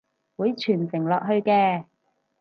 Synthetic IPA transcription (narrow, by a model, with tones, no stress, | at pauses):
wuː˨˥jt͡ʃʰyː˨˩nsɪ˨˩ŋlɔː˨k̚ɦɵ˧ɥkɛː˧